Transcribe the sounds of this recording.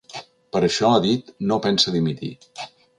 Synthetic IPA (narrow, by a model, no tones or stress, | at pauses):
pəɾəʃɔaðit̪nopɛnsəðimit̪ḭ